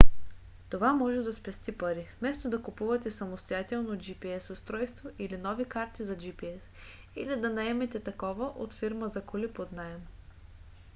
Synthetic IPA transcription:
t̪ovamɔʒɛd̪ɐspɛst̪ipɐɾifmɛst̪od̪ɐkupuvɐt̪ɛsɐmost̪ojat̪ɛlˠnod͡ʒipiɛsost̪ɾɔjst̪voʔilinɔvikaɾt̪izɐd͡ʒipiɛs | ilid̪ɐnɐɛmɛt̪ɛt̪ɐkɔvɐʔot̪fiɾməzɐkolipod̪naɛm

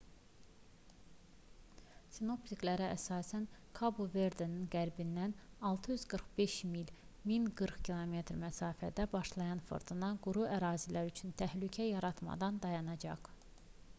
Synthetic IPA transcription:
sino̞psiklæɾææsɑːsænkʰɑbuveɾd̪eninɡæɾbind̪ænɑlˠt̪ʰɯjyzɡɯɾχb̥e̞ʃmil | minɡɯɾχcʰilˠo̞me̞t̪ɾmæsɑːfæd̪æbɑʃlˠɑjɑnfɯ̰ɾd̪ʰɯnɑɡuɾuʔæɾɑːzilæɾyt͡ʃʰynt̪ʰæhlycʰæjɑɾɑt̪mɑ̰d̪ɑnd̪ɑjɑnɑd͡ʒɑχ

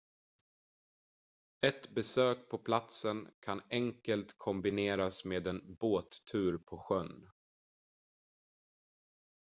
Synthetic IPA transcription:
ɛt̪bɛsøːk̚pʰɔpʰlat̪sənkʰanɛŋkəlt̪kʰɔmbɪneːɾasmeːd̪ɛnboːt̪ʰʉ̟ːɾpʰɔɧœn

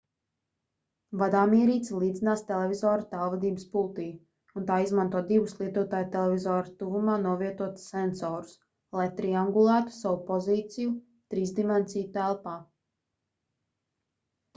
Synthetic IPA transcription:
vad̪aːmiɛɾiːt̪slˠiːd̪zinaːst̪ɛlˠɛvʲizɔːɾat̪alˠvad̪iːbəspulˠt̪iː | unt̪aːizmant̪uɔd̪ivuslˠiɛt̪uɔt̪aːjt̪ɛlɛvizɔːɾat̪uvumaːnuɔviɛt̪uɔt̪sɛnsɔːɾu̥s | lˠajt̪ɾiaŋɡulˠaːt̪u̥savupɔziːt̪sʲiju | t̪ɾiːsd̪imɛnsijut̪ælˠpaː

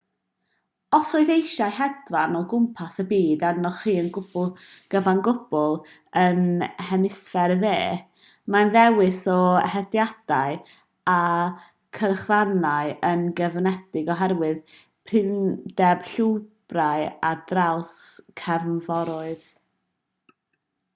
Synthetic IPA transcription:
ɔsɔɨðejʃajhɛdvanɔɡʊmpʰasəbiːdanɔχiːənɡʊb̥ʊlˠɡ̥əvanɡʊb̥ʊlˠ | ənhɛmɪsfɛɾðḛː | manðɛwɪsɔhɛdjad̥aɨ | a | kʰərχvanajənɡəvənɛd̥ɪɡɔɦɛrwɨð | pʰrɪndɛb̥ɬuwb̥rajadrawskʰɛrnvɔɾɔɨð

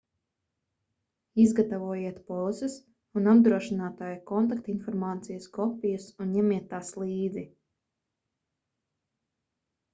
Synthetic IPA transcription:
izɡat̪avuɔjiɛt̪pɔlˠsɛs | unab̚d̪ɾuɔʃinaːt̪aːjakɔnt̪akt̪infɔɾmaːt̪sijɐskɔpʲijusunɲɛmiɛt̪ːaːslˠiːd̪zi

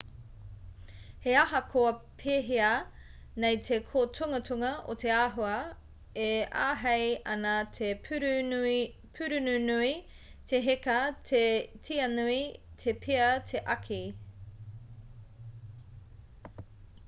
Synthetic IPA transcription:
heɐɦɐkʰoɐpʰeɦiɐ | nejt̪ʰekʰotʰuŋɐtʰuŋɐʔo̰t̪eaːɦoɐ | ea̰ːɦejɐ̰naɐtʰe | pʰʉɾʉnʉnui | t̪ʰeɦekɐtʰetʰiɐnuitʰepʰeɐt̪ʰeʔɐkʰi

